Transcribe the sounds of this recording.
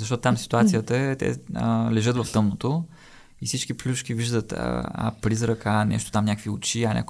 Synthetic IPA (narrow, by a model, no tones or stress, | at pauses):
zɐʃt̪ɔt̪ʊt̪amsi̥t̪uat̪sijət̪əɛt̪ɛ̰lɛʒɤt̪vɐft̪ɤmnot̪o | ifsit͡ʃkiplʲuʃkʲiviʒd̪ət̪a̰pɾizɾɐkanɛ̰ʃt̪o̥t̪amnʲakviʊt͡ʃianʲa̰k